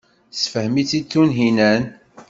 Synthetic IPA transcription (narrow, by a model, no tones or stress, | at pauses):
sfəhmit͡sːit͡sːunɦinæn